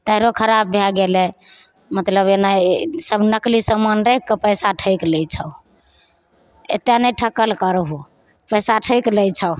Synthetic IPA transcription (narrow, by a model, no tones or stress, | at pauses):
t̪əɪɾokʰəɾab̚ːʱjaɡele | mət̪ləbenasəbnəklisəmənɾekːəpəjsaʈʰəjkləjt͡ʃʰə | ḛt̪janəjʈʰəkːəlkəɾɦo | pəjsaʈʰəɪkləjt͡ʃʰə